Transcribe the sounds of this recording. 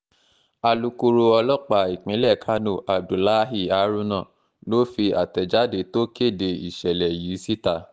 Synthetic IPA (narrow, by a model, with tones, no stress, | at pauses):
a˧lu˧ku˧ɾo˧ɔ˧lɔ˦k͡pa˨i˨k͡pĩ˨˦lɛ˦˨kʰa˦no˨ʔa˨b̚du˨la˦ɦi˦˨a˨˦ɾũ˦nã˦˨ | no˦fi˧a̰˨tɛ˨d͡ʒa˦de˨˦to˦ke˦˨de˧i˨ʃɛ˨lɛ˨jiː˨˦si˦ta˦˨